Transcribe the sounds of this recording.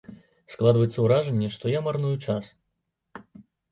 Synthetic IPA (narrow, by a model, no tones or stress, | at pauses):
sklˠad̪vɐjɛt̪sːɐwɾaʐɛnʲːɛʂt̪ɔjamarnujut͡ʂas